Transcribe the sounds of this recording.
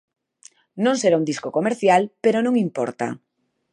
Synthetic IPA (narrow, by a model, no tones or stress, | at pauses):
nõŋseɾaund̪iskokomeɾθjalpeɾonõŋimpɔ̰ɾt̪a̰